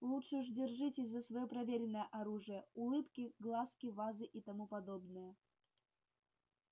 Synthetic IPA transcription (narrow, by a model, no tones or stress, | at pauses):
lˠutʂɨʐdʲɪrʐɨtʲɪsʲzːəsvɐjopɾɐvʲeɾʲɪnːəjəʔɐɾuʐɨjəʊlˠɨpkʲɪɡlˠaskʲɪvazɨʔit̪ɐmupɐd̪o̞bnɨjə